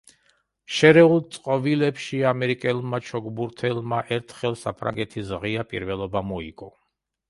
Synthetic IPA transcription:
ʃɛɾɛulˠt̪sʼqʼɔvilɛpʃiamɛɾikʼɛlˠmat͡ʃʰɔɡbuɾt̪ʰɛlˠmaʔɛɾt̪ʰχɛlˠsa̰pʰɾa̰ŋɡɛt̪ʰisʁiapʼḭɾvɛlˠɔbamɔikʼɔ

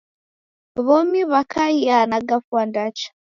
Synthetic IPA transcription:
βɔmiβakʰaianaɡafwandat͡ʃḁ

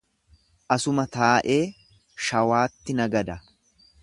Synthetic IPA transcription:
ʔɐsʊmɐt̪aːʔe̞ː | ʃɐwaːt̪ːɪnɐɡɐd̪ɐ

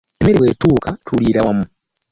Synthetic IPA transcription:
emeɾewetuːkatʰuliːɾawamu

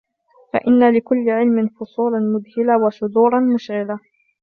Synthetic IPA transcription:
fa̰ʔɪnːalɪkʊlːɪʕɪlmɪnfʊsˤuːlanmʊd̪hɪlawaʃʊd̪uːɾˤɑnmʊʃɣɪla

